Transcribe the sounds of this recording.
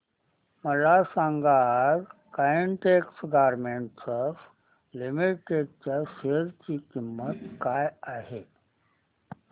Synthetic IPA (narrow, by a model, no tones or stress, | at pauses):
məlasãŋɡaɾkajiɳʈeksɡaɾmeɳʈsəf | limiʈʈeɖ̚t͡ɕjaɕeɾt͡ɕiːkimːət̪kajaɦe